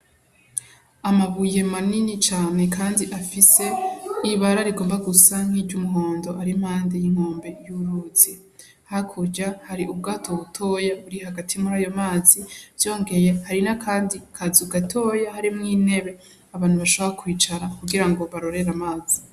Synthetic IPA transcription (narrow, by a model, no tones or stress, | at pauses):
amaβuje̞maninit͡ʃaːne̞kʰaːndiʔafise̞iβaɾaɾiɡoːmbaɡusaŋ̥hiɾɟumuɦo̞ːndo̞ʔaɾim̥haːndejiŋ̥ho̞ːmbe̞juɾuzi | hakʰuɾɟahaɾiʔub̚ɡaːtʰoβutʰo̞jaβuɾihaɡatʰimuɾaːjo̞maːziv̥jo̞ːŋɡe̞je̞haɾinakʰaːndikʰazuɡatʰo̞ːjahaɾimŋiːne̞βe̞ | aβaːn̥huβaʃoβoɾakwiːt͡ʃaɾakuɡiɾaŋɡo̞βaɾo̞ɾe̞ɾamaːz̥i